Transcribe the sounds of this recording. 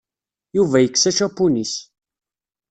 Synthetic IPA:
juvæjəkːsæʃapːunis

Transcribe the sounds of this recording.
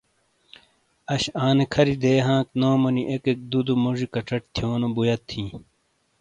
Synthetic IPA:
ɐɕaːnekʰɐɾid̪eːɦãːk̚noːmoniʔekek̚d̪ud̪umoʐikɐʈ͡ʂɐʈ̚t̪ʰjoːnobujɐt̪ʰːĩː

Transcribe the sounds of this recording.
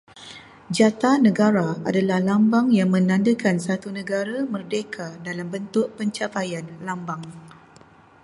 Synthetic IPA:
d͡ʒat̪anə̃ɡaɾaa̰dalahlambaŋjaŋmə̃nãndəkansat̪unə̃ɡaɾamərdekʰadalambənt̪ʊʔpəɲt͡ʃapajanlambaŋ

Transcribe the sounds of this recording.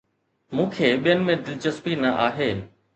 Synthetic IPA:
mũːkʰeːɓijənɪ̆mẽd̪ɪlt͡ɕəspinɐʔaːɦeː

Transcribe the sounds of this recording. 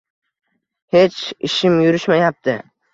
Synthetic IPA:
he̞t͡ʃɪʃɪmjʊɾɪʃmajap̚t̪ʰɪ

